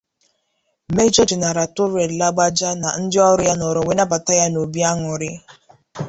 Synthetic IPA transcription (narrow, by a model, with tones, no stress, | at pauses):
me˦d͡ʒɔ˦d͡ʒe˨na˨ɾa˨tʊ˦ɾe˨la˦ɡ͡ba˦d͡ʒa˦na˨n̩˦dɪ˦ɔ˦ɾʊ˦ja˦nɔ˨ɾɔ˨we˦na˦pa˨ta˦ja˦no˨bi˦a˦ŋʊ˨ɾɪ˦